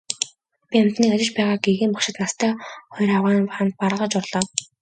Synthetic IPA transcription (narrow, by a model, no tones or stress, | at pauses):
pʲiam̥t̪niːkat͡ɕɪ̆t͡ɕpæːʁaːɡeɣeːmpɔkʃɪ̆t̪nast̪ʰœːχɔjɾaʁaːnant̪̚paɾəʁə̆t͡ɕʊrɮɔː